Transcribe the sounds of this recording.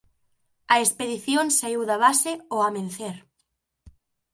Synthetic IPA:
ɐespeðiθjonsaiwðɐβaseoamẽnθeɾ

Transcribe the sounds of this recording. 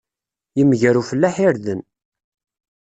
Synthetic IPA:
jəmʝæɾufəlːæħiɾðən

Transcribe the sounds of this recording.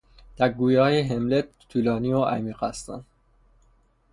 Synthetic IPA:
d̪̥æɾɡuːjɒːjeɦemlet̪t̪ʰːuːlɒːniːoʔæ̰miːqæst̪æ̰n

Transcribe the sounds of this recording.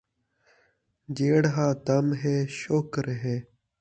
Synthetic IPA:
d͡ʑeːɽɦaːd̪ɐmɦeːɕoːkɾɦẽː

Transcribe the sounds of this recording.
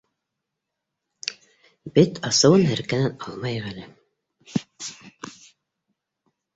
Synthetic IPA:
bet̪ʰɑsɤwɤnɦæɾkænænɑlˠmɑjʁælɘ

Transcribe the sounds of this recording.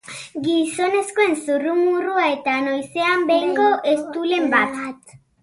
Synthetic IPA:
ɡiso̞neskoensurumuruaet̪anojseambejŋɡoʔest̪ulembatat̪

